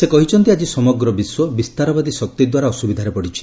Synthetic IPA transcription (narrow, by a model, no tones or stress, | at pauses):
sekɔɦit͡ʃʰɔnt̪iad͡ʒisɔmɔɡɾɔbiswɔbist̪aɾɔbad̪isɔk̚t̪id̪waɾaɔsubid̪ʱaɾepɔɽit͡ʃʰi̥